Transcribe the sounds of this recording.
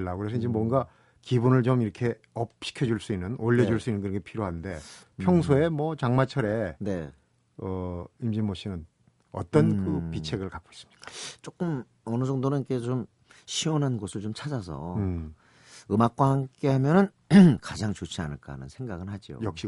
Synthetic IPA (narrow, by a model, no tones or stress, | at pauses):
ɭːakɯɾes̬ʰʌind͡ʑemwʌŋɡa | kibunɯɭt͡ɕomiɾʌkʰe̞ | ʌp̚ɕi̥kʰjʌd͡ʑuɭs͈uinːɯnoʎːed͡ʑuɭs͈uinːɯnkɯɾʌkʰepʰiɾjoɦannde̞pʰjʌŋsʰoe̞mʌt͡ɕaŋmat͡ɕʰʌɾe̞ne̞ | ʌimd͡ʑimoɕ͈ʰinɯn | ʌ̰t͈ʌnkɯpit͡ɕʰe̞ɡɯɭkap̚k͈ois͈ɯ̥mɲi̥k͈at͡ɕ͈ok͈ɯm | ʌnɯd͡ʑʌŋdonɯnikʰe̞t͡ɕom | ɕʰiwʌnɦanɡosʰɯɭt͡ɕomt͡ɕʰad͡ʑas̬ʰʌ̰ | ɯmak̚k͈wahamk͈e̞hamjʌnɯn | kad͡ʑaŋt͡ɕot͡ɕʰia̰nɯɭk͈a̰nɯ̰nsʰe̞ŋɡaɡɯnhad͡ʑio̰jʌk̚ɕ͈i